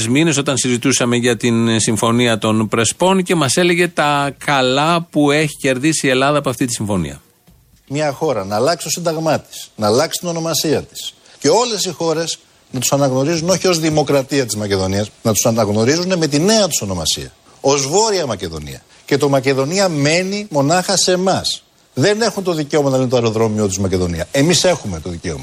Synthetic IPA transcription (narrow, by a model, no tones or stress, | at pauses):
zmine̞so̞t̪ɐnsizit̪usɐme̞ʝɐt̪insiɱfo̞niɐt̪o̞npɾe̞spo̞nce̞mɐse̞le̞ʝe̞t̪ɐkɐlɐpue̞çi̥ce̞ɾðisie̞lɐðɐpoɐft̪it̪isiɱfo̞nḭɐ̰ | mɲɐxo̞ɾɐnɐːlɐksi̥t̪o̞sind̪ɐɣmɐt̪i̥snɐlɐksi̥t̪ino̞no̞mɐsiɐt̪i̥s | ce̞o̞le̞sixo̞ɾe̞s | nɐt̪u̥sɐnɐɣno̞ɾizuno̞çio̞zðimo̞kɾɐt̪iɐt̪izmɐce̞ðo̞niɐsnɐt̪u̥sɐnɐɣno̞ɾizune̞me̞t̪ine̞ɐt̪uso̞no̞mɐsḭɐ | o̞zvo̞ɾiɐmɐce̞ðo̞̰nḭɐ̰ | ce̞t̪o̞mɐce̞ðo̞niɐme̞nimo̞nɐxɐse̞mɐs | ðe̞ne̞xunt̪o̞ðice̞o̞mɐnɐlinet̪oɐɾo̞ðɾo̞mio̞t̪izmɐce̞ðo̞niɐe̞mise̞xume̞t̪o̞ðice̞o̰mɐ